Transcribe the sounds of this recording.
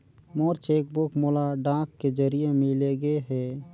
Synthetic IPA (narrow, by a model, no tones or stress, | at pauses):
moːɾt͡ʃeːk̚bʊkmoːlaɖãːkːed͡ʒəɾijemɪleɡeɦɛː